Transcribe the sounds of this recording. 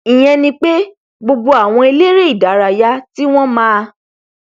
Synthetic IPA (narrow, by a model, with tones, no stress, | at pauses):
i˨j̃ɛ̃˧nĩ˧k͡pe˦ | ɡ͡bo˧ɡ͡bo˧a˨w̃ɔ̃˧e˧le˦ɾe˦i˦˨da˨˦ɾa˨ja˦ti˦w̃ɔ̃˦mãː˦˧